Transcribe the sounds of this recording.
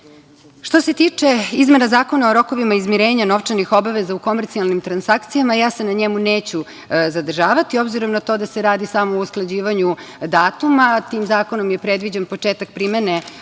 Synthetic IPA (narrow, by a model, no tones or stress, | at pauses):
ʃt̪o̞se̞t̪iːt͡ʂe̞izme̞nazaːko̞naoɾo̞ko̞ʋimaizmiɾeːɲano̞ʋt͡ʂanixo̞baʋezauko̞meɾt̪sialˠnimt̪ɾansakt̪sijamajaːsenaɲemuneːt͡ɕu | zad̪r̩ʒaːʋat̪io̞bziɾo̞mnat̪o̞ːd̪ase̞ɾaːd̪isamousklˠad͡ʑiːʋaɲud̪aːt̪umat̪iːmzaːko̞no̞mjepɾe̞d̪ʋid͡ʑenpo̞t͡ʂeːt̪ak̚pɾimene